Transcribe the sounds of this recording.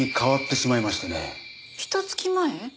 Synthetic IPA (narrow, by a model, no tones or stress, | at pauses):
ikʰaβat̪ːe̞simaimaɕi̥t̪anḛ | çʲi̥t̪ot͡sɨ̥kʲimae